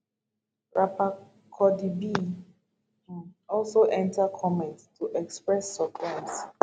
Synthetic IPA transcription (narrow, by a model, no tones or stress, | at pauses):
ɹapa | kʰɔdibi | ɔlsoʔɛ̃ntakʰɔmɛ̃nttːuʔɛkspɹɛsːɔpʰãms